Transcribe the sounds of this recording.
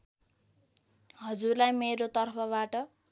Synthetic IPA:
ɦʌd͡zurlajmeɾot̪ʌrpʰʌbaʈʌ

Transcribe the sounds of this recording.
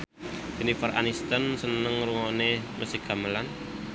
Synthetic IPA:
ɡ̥ənifəra̰nist̪ənsənəŋruŋɔneməsiɡ̥aməlan

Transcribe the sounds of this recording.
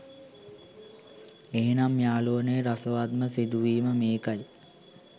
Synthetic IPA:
eɦenamːjaːloənəjɾasəʋad̪məsid̪uʋiːməmeːkaj

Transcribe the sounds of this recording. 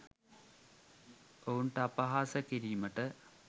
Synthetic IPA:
oːuɳʈɐpːɐɦaːsɐkːiɾijumɐʈːɨ

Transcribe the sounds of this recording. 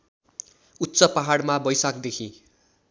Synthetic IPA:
ut̪ːsʌpaɦaɽmabʌjsakd̪ekʰḭ̃

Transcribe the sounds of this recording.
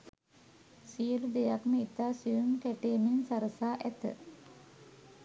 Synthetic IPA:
sijəlud̪ejakməit̪aːsijumkæʈeːminsaɾəsaːʔæt̪ə̰

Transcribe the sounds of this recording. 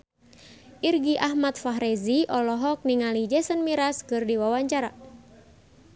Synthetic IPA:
ʔirɡiʔahmat̪̚faɦɾɛziʔɔlɔɦɔk̚niŋalid͡ʒɛsənmiɾaskɨrdiwawaɲt͡ʃaɾa

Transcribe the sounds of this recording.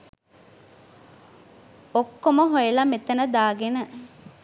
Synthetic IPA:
okːomoɦojelɐmet̪ɐnəd̪aːɡenə

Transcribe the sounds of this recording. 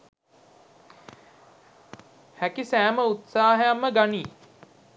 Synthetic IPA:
hækisæːməut̪saːɦəjamːəɡaniː

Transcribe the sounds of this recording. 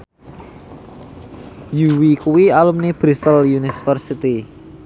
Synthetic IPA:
juwikuwialumneb̥ɾist̪əljunifərsit̪i

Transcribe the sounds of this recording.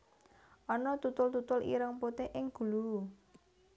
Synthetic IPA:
ʔɔnɔt̪ut̪ʊlt̪ut̪ʊlḭɾəŋpot̪eʔɪŋɡ̥ṳlu

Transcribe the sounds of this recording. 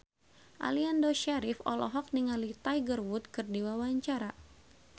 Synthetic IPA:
ʔa̰liandoʃaɾifɔ̰lɔ̰ɦɔk̚niŋalit̪ajɡərwut̪̚kɨrdiwawaɲt͡ʃaɾa

